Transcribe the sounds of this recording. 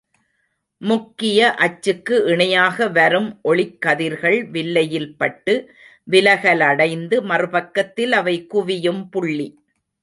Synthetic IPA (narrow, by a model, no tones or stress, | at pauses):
mʊkːɪjɐʔɐt͡ʃːɯkːɯʔɪɳɐjaːɣɐʋɐɾɯmʔɔɭɪkːɐðɪɾɣɐɭʋɪlːɐjɪlpɐʈːɯ | ʋɪlɐɣɐlɐɽɐɪnd̪ɯmɐrɯpɐkːɐt̪ːɪlɐʋɐɪkʊʋɪjɯmpʊɭːi